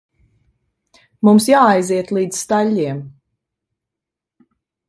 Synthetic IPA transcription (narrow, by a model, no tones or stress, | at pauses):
mumsjaːajziɛt̪lˠiːd̪zst̪aʎʲːiɛm